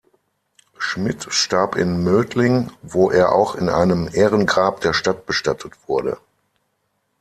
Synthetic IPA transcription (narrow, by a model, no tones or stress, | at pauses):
ʃmɪtʃtaɐpɪ̰nmøːtlɪŋvoːʔeːɐʔa̰ʊxɪnʔa̰ɪnəmʔɛːʁ̞ənɡʁaːp̚d̥eːɐʃtat̚b̥əʃtatʰətv̥ʊɐdə̰